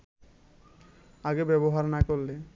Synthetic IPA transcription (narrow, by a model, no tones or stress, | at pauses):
aɡebɛboɦaɾnakoɾːe